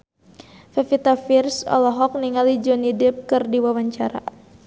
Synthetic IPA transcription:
fɛfit̪afirsɔ̰lɔɦɔk̚niŋalid͡ʒɔnidɪp̚kɨrdiwawaɲt͡ʃaɾa̰

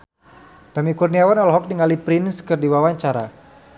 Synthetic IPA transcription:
t̪amikurniawanɔlɔɦɔk̚diŋalipɾɪnskɨrdiwawaɲt͡ʃaɾa̰

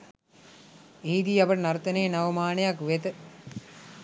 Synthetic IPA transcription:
iːd̪iːɐpəʈənɐɾt̪ɐneːnɐʋɐmaːnejakʋet̪ə

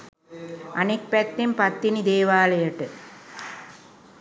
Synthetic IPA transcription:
ɐnik̚pɛt̪ːempɐt̪ːinid̪eːʋaːlɐjɐʈːɨ

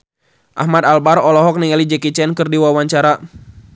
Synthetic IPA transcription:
ʔa̰hmat̪albarɔlɔɦɔk̚niŋalid͡ʒɛkit͡ʃɛnkɨrdiwawaɲt͡ʃaɾa

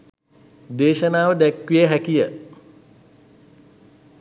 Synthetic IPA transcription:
d̪eːʃənaːʋəd̪ækʋijəɦækijə

